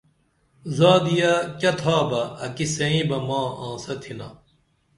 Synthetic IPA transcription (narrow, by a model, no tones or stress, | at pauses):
zaːd̪ijɐkɐt̪ʰaːbɐːkisɐĩːbɐmãːãːsɐt̪ʰinɐ